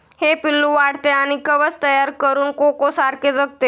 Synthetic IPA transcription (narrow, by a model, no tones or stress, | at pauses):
hepilːuʋaɽ̤t̪eaɽ̃ikəʋət͡st̪əjaɾkəɾuːnkokosaɾked͡zək̚t̪e